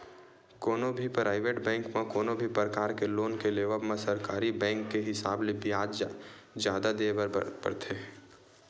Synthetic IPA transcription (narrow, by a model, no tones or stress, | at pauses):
koːnobʱipɾaːɪʋeːʈbɛ̃ːŋkmẽkoːnobʱipɾəkaːɾkeloːnkeleːʋəpmẽsɐɾkaːɾibɛ̃ːŋkːeɦɪsaːblebijaːd͡ʒd͡ʒa | d͡ʒjaːd̪ad̪ebəɾpə̰ɾt̪ʰe